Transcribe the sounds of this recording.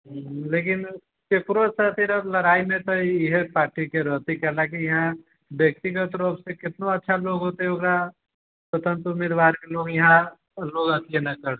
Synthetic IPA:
ɦleːkɪn | t͡ʃekɾosət̪ɪɾəblɐɾaːimẽt̪oɪɦepaːɾʈikeɾɔːt̪ikɛlakijɐɦã | bjək̚t̪ɪɡət̪ɾoːpsekɪt̪noɐtːʃʰaloːɡɦoːt̪eɦɛʊkɾa | sət̪ə̃nt̪ʊmeːd̪ʋaːɾkeloːɡjɐɦã | loːɡɐt̪enɐkəɾe

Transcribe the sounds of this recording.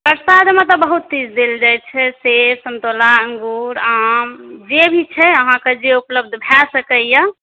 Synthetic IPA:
pəɾsad̪ʱmẽt̪ɔbəɦut̪ːid͡ʒd̪eld͡ʒajt͡ʃʰɛsesəmt̪olaəŋɡuɾamd͡ʒebʱit͡ʃʰɛəɦãked͡ʒeupləb̚d̪ʱbʱɛsəkəjə

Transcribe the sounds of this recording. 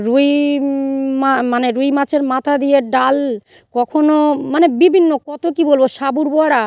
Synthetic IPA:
ɾuj | mamaneɾujmat͡ɕʰeɾmat̪ʰad̪ijeɖal | kɔkʰonomanebibʱinːokɔt̪okibolboʃabuɾboaɾa

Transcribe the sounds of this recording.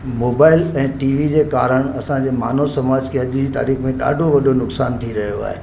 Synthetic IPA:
moːbaːɪlɛ̃ːʈiːʋid͡ʑeːka̰ːɾəɽ̃ɐsãd͡ʑeːma̰ːnosɐmaːd͡ʑkʰeɐʄd͡ʑiːt̪a̰ːɾiːxmẽɗa̰ːɖʱoʋɐɗʱonʊksaːnt̪ʰiɾɐɦijoa̰ːɦḛ

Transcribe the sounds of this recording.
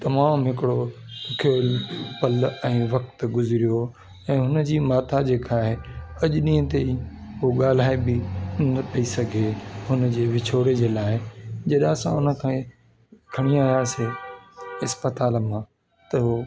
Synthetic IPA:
t̪ɐmaːmɦɪkɪɽokʰeːlpɐlɛ̃ːʋɐk̚t̪ɡʊzɪɾijo | ɛ̃ːɦʊnə̆d͡ʑiːmaːt̪ʰad͡ʑeːkaːɦeɐʄʊɗĩːə̃t̪eiɦoɠaːl̤aːebɪnɐt̪ʰɐisɐɡʱehʊnə̆d͡ʑeːʋɪt͡ɕʰoːɽed͡ʑeːlaːɪd͡ʑɐɗsãʊnəkʰã | kʰɐɽ̃iaːjase | ɪspət̪aːlmã | t̪ɐɦoː

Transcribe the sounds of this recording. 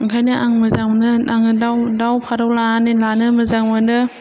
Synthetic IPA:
ŋkʰajnɯʔaŋmɯzaŋnɯaŋɯdawdawpʰaɾawlaanilanɯmɯzaŋmɯnɯ

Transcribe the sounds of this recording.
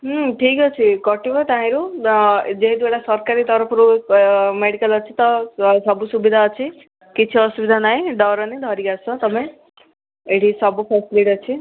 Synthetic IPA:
ɦʈʰikʌt͡sʰikʌʈibʌt̪ãɦĩɾu | d͡zeɦid̪beɽasʌɾkaɾit̪ʌɾʌpʰɾumeɽikʌlʌt͡sʰit̪ʌsʌbusubid̪ʱaːt͡sʰi | kit͡sʰiʌsubid̪ʱanaj̃ɖʌɾʌned̪ʱʌɾiɡat͡sʰʌt̪ʌpaj̃ | eʈisʌbupʰesiliʈʌt͡sʰi

